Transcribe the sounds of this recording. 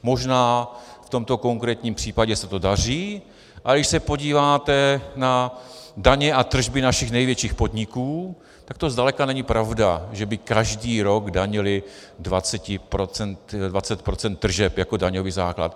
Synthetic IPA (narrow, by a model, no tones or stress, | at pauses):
mo̞ʒnaːft̪o̞mt̪o̞ko̞ŋkɾɛːt̪ɲiːmpr̥iːpaɟɛsɛt̪o̞dar̝iː | ʔadɪʃsɛpo̞ɟiːvaːt̪ɛnadaɲɛʔat̪r̩ʒbɪnaʃɪxnɛjvjɛt͡ʃiːxpo̞dɲɪkuː | t̪ak̚t̪o̞zd̪alɛkanɛɲɪpɾavdaʒɛbɪkaʒdiːɾo̞ɡdaɲɪlɪdvat͡sɛcɪpɾot͡sɛnt̪dvat͡sɛt̪̚pɾo̞t͡sɛnt̪ːr̩ʒɛpjako̞daɲoviːza̰ːkla̰t̪